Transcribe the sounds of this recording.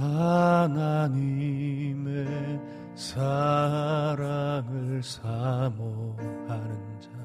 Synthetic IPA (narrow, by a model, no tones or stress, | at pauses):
anaɲime | sʰa | ɾamɯɭsʰamohanɯnd͡ʑa